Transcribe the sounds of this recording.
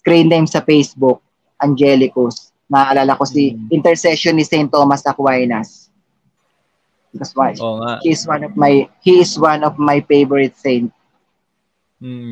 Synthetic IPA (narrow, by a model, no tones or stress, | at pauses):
skɾĩnt̪ajmsɐfejsbʊk̚ | ʔɐnd͡ʒɛlɪkʊs | nɐaːʔɐlaːlɐko̞siʔɪnt̪ɛɹsɛʃɔnːisɛjnt̪ːoːmɐsɐkwajnɐs | bɪkoswhiɪswanɔvmajhiɪswanɔvmajfejvɔɹɪt̪̚sẽjnt̪̚